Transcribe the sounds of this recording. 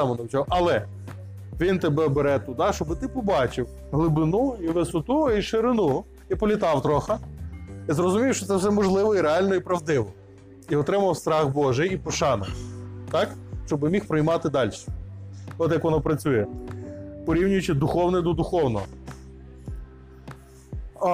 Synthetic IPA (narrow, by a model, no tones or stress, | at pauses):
ɑmɔnɐwt͡ʃʲɔɦɔʔɐlˠɛ | ʋʲint̪ebɛbeɾɛt̪ud̪̚d̪ɑʃt͡ʃɔbɪt̪ɪpɔbɑt͡ʃɪw | ɦlˠɪbɪnuiʋesʊt̪uiʃɪɾɪnu | ipɔlʲɪt̪ɑwt̪ɾɔxɐ | izɾɔzʊmʲiwʃt͡ʃɔt̪sɛwsɛmɔʒlˠɪʋɔiɾeɑlʲnɔipɾɐwd̪ɪʋɔ | iɔt̪ɾɪmɐwst̪ɾɑxbɔʒɪjipɔʃɑnɔ̰t̪ɑkʃt͡ʃɔbɪmʲixpɾɔjmɑt̪ɪd̪ɑlʲʃɛ̥ɔt̪jɐkʋɔnɔpɾɐt͡sʲujɛ | pɔɾʲiwnʲʊjʊt͡ʃɪd̪ʊxɔwnɪjd̪ɔd̪ʊxɔwnɔɦɔ